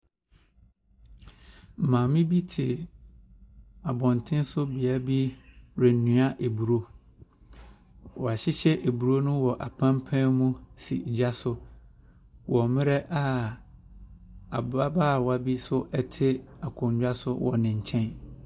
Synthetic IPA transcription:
m̩˨mãː˨mɪ̃˦bi˦tʰɪ˨ | a˨bɔ̃˨ntʰɪ̃˦n˦sʊ˦bi˨a˦bi˦ɾɛ˨n˨nũ˨a˦ʔe˨bu˨ɾo˦ | wɔ˨a˨ɕɪ˦ɕɛ˦ʔe˨bu˨ɾo˦nʊ̃˦wɔ˨ʔa˨pʰã˦mpʰɛ̃˦mũ˦sḭ˨d͡ʑa˦sʊ˦ | wɔ˨mɪ̃˦ɾɛ˦ʔa˦˨ | a˨ba˦ba˦˨wa˨bi˦sʊ˦ʔɛ˦tʰɪ˦a˨kʰʊ̃˨ɲd͡ʑᶣa˦sʊ˦wɔ̰˨nɪ̃˨ɲ̩˨t͡ɕʰɛ̃˦n

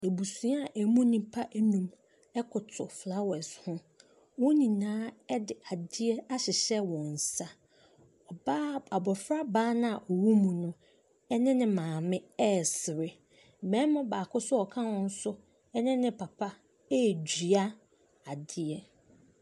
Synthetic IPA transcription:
e˨bu˨su˨˦a˦˨ʔɛ˨mũ˦nĩ˦pʰa˦ʔnũ˨m | ɛ˦kʰʊ˨tʰʊ˨fla˦wɛ˨shʊ̃˦ | wɔ̃˦nĩ˨nãː˦ɛ˦dɪ˨a˨dɪ˦ɛ˦a˦ɕɪ˨ɕɛ˦wɔ̃˨n̩˨sa˦ | ɔ˨ba˦a˨bɔ˨fɾa˦baː˦nã˦a˨ʔɔ˨wu˦mũ˨nʊ̃˦ | ɛ˦nɪ̃˦nɪ̃˨mãː˨mɪ̃˦ɛ˦˨sɪ˨ɾɪ˨ | mɛ̃˦mʊ̃˦baː˨kʊ˦sʊ˦ɔ˨kʰã˦wɔ̃˦n̩˦sʊ˦ | ɛ˦nɪ̃˦nɪ̃˦pʰa˨pʰa˦ | ɛ˦˨d͡ʑi˨a˦ | a˨dɪ˦ɛ˦

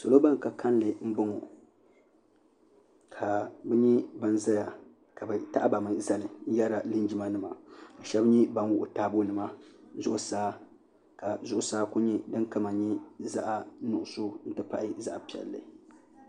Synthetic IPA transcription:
so˨lo˦ba˦ŋ˨ka˨ka˦nlɨ˨m̩˦bʊ˦ŋo˨ | kʰa˨bɛ˦ɲi˦ba˦nza˦ja˨ | ka˨bɛ˨ta˦ʔa˦ba˨mɨ˨za˦˨lɨ˨˦ja˦ɾa˨lɨ˦nd͡ʒi˦ma˦nɨ˦ma˨ba˨ʃɛ˦bɲi˦ba˦n˦wʊ˦ʔʊ˨taː˦bo˦lɨ˨ma˦zʊ˦ʔʊ˨saː˦ | ka˨zʊ˦ʔʊ˨saː˦ku˦ɲi˦dɨ˦ŋka˦ma˨ɲi˦za̰˦ʔa˨nʊ˨ʔʊ˨so˦n̩˦tɨ˦pa˦ʔɪ˦za̰˦ʔpi˨ɛ̰˨lːɨ̰˨

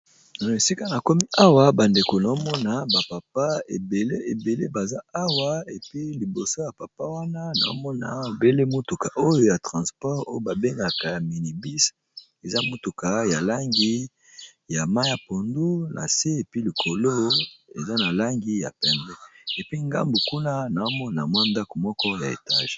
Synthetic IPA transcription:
na˨e˨si˦ka˦na˨ko˦mi˦ʔa˦wa˦ba˨nde˨ko˨na˨o˦mɔ˦na˨ba˨pa˨p̚a˦ḛ˨be˨le˦e˨be˨le˦ba˨za˦a˦wa˦e˨pi˦li˨bo˨so˦ja˨pa˨pa˦wa˦na˦na̰˨o̰˦mɔ˦na̰˨be˦le˦mu˦tu˨ka˨ʔo˦jo˦ja˨tʁɑ̃˨spɔ˦ʁo˦jo˦ba˨be˦ŋɡa˨ka˨ja˨mi˨ni˨bi˦s | e˨za˦mo˦tu˨ka˨ja˨la˦ŋɡi˦ | ja˨ma˦ja˨po˨ndu˦nʔa̰˨se˦e˨pi˦li˨kʰo˨lo˦ḛ˨za˦na˨la˦ŋɡi˦ja̰˨pɛ˨bɛ˦e˨pi˦ŋɡa̰˦mbu˨ku˦na˦na˨o˦mɔ˦na̰˨mwa˦˨nda˦ko˨mɔ˦kɔ˦ja˨ḛ˨ta˦ʒ̥

